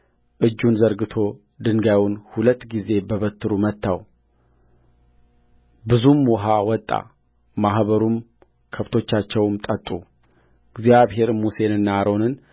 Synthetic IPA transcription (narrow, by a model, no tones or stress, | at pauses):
ʔɨd͡ʒːunzəɾɡɨt̪ʰo̞ | d̪ɨŋɡawnhulət̪ːɡize̞bəβət̪ʰːɨɾumət̪ːaw | bɨzumwɔɦawɔt̪ʼːa̰ | maɦβəɾum | kʰəft̪ʰo̞t͡ʃːat͡ʃːɛwmt̪ʼət̪ʼːu | ɨɡzijaβɦe̞ɾmuse̞nɨnːaɾʔo̞nɨn